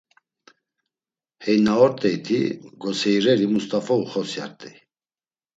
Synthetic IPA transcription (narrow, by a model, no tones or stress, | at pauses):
hɛjnaɔɾt̪ʼɛjt̪ʰḭɡɔsɛjɾɛɾimust̪ʼafɔuχɔsja̰ɾt̪ʼɛj